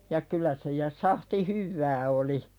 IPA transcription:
jɑ kylæ se jɑ sɑhti hyʋːæː oli

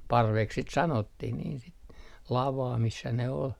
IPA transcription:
pɑrʋeks sit sɑnotːih niːn sit lɑʋɑː misːæ ne ol

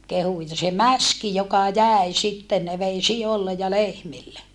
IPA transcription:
kehu jɑ se mæski jokɑ jæˑi sitːen ne ʋei siolːej jɑ lehmilːe

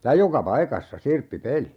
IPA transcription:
jɑ jokɑ pɑikɑsːɑ sirpːipeli

